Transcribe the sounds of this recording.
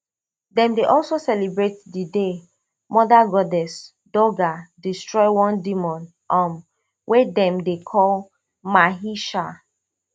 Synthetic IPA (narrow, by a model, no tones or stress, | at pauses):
dɛ̃mdeʔɔlˠsosɛlibɹetdide | mɔdaɡɔdɛs | dɔɡadistɹɔɪwɔ̃ndimɔ̃n | ɔ̃m | wʔɛdɛ̃mdekʰɔl | maɦiʃa